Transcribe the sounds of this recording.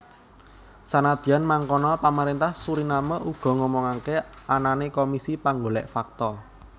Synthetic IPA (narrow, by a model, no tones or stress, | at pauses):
sanad̪̥i̤anmaŋkɔnɔpaməɾent̪ahsuɾinaməʔuɡ̥ɔ̤ŋɔmɔŋakeananekomisipaŋɡolɛʔfak̚t̪ɔ